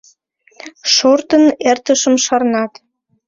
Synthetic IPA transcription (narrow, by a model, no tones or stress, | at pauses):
ʃort̪ənert̪əʃəmʃɑrnɑt̪